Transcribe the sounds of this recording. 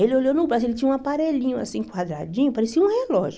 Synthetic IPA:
elɪoʎonʊbɾazielɪt͡ʃĩɲ̃ɐũapaɾeʎĩɲʊa̰sĩkwad̪ɾa̰d͡ʒĩɲʊpaɾesiɐũhelɔʒʊ

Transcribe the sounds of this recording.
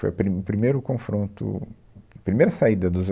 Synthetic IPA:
fo̰jɐpɾiʊpɾimejɾʊkõfɾõnt̪ʊ̰ | ɐpɾimejɾɐsaid̪ɐd̪ʊz

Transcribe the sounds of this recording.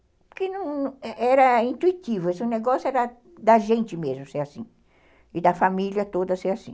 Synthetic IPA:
pʊɾkenɐ̃w̃ɛɾɐĩnt̪uit̪ivʊesũneɡɔsjoɛɾɐ | d̪ɐʒẽnt͡ʃɪmezmʊseasĩ | ɪd̪ɐfamiljɐt̪od̪ɐseɾasĩ

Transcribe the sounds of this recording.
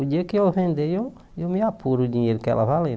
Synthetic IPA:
ud͡ʒekiofend̪ejo | jomiapʰuɾud͡ʒĩeɾkɛ̰la̰βale

